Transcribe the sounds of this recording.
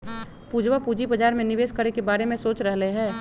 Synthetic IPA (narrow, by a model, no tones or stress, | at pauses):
puːd͡ʒwapuːd͡ʒibɐd͡ʒaːɾmẽnɪʋeːskɐɾekebaːɾemẽsoːt͡ʃɾɐɦleɦɛ̃ː